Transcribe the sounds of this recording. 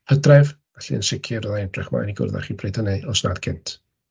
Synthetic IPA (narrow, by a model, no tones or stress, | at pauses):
hədrɛvvɛɬiənsɪkʰirɔðaɛnd̥rɛχma̰ːjniɡʊ̰rða̰χibʰreːdəneɔsnad̥kʰɪntʰ